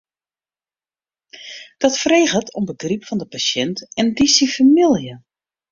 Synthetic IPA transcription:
d̥ɔtfəreːɣətʰɔmbəɡripfɔndəpaʃɛntɛndisifamilˠjə

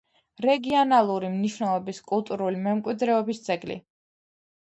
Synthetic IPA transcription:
ɾɛɡiɔnalˠuɾimniʃwnɛlˠɔbiskʼulˠt̪ʼuɾulimɛmkʼwid̪ɾɛɔbist̪sʼɛɡlḭ

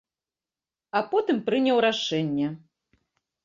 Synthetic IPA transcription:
apɔt̪ɨmpɾɨnʲɛwɾaʂɛnʲːɐ

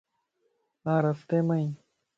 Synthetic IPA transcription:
ãːɾɐft̪eːmɐĩ

